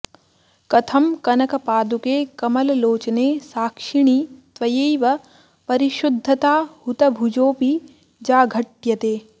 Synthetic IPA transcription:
kɐt̪ʰɐmkɐnɐkɐpaːd̪ukeːkɐmɐlɐloːt͡ʃɐneːsaːkʂiɳ̃it̪ʋɐjeːʋɐ | pɐɾiʃud̪ʱːɐt̪aːhut̪ɐbʱud͡ʒoːpi | d͡ʒaːɡʱɐʈjɐt̪eː

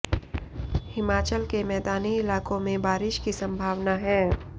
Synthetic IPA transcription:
hɪmaːt͡ʃəlkemɛːd̪aːniɪlaːkõmẽbaːɾɪʃkisɐ̃mbʱaːʋnaɦɛ̃ː

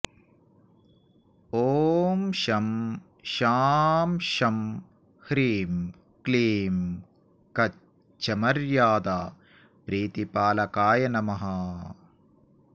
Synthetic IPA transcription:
oːmʃɐm | ʃaːmʃɐm | hɾiːm | kliːm | kɐ | t͡ʃɐmɐɾjaːd̪aː | pɾiːt̪ipaːlɐkaːjɐnɐmɐɦɐ

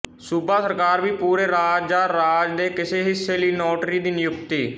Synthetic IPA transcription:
subaːsəɾkaːɾʋiːpuːɾeːɾaːd͡ʒd͡ʒ̪aːɾaːd͡ʒd̪eːkɪseːɦɪsːeːliːnoːʈɾiːd̪iːnɪjʊkt̪iː

